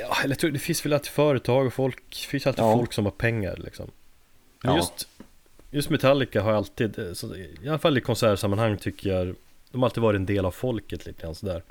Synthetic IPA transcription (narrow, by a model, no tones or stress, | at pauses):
ɑːɛlːjat̪ɾuːd̪ɛfɪnsvɛlalt̪i̥ːfœːɾət̪ʰɑːɡɔfɔlkfɪnsjalt̪iːdfɔlksɔmhaɾpʰɛŋːa̰ɾlʔɪ̰ksɔ̰m | ɛnjɵst̪ | jɵst̪mɛt̪ʰalːɪkaɦaɾjaalt̪iːd̪sɔɪalafalːɪkʰɔnsæːɾʂamːanhaŋːt̪ʰʏkːəja | d̪̥ɔmaɾalt̪iːd̪vɑːɾɪɛnd̪eːlavfɔlkət̪liːt̪əɡɾansɔd̪æːɾ